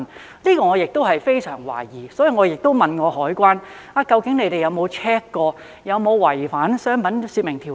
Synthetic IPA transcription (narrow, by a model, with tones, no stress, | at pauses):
n | liː˥kɔː˧ŋɔː˨˧jɪ˨k̚t̪o˥whɐ˨jfe˥jsœː˨˩ŋwa̰ː˨˩jiː˨sɔː˨˥ji˨˧ŋɔː˨˧jɪ˨k̚t̪o˥wmɐ˨nŋɔː˨˧hɔː˨˥jkʷaː˥n | aː˨˧kɐ˧wkɪ˨˥ŋne˨˧jt̪e˨jɐ˨˧wmo˨˧wt͡ʃʰɛː˥kːɔː˧ | jɐ˨˧wmo˨˧wwɐ˨˩jfaː˨˥nsœː˥ŋpɐ˨˥nsiː˧t̚mɪ˨˩ŋt̪ʰi˨˩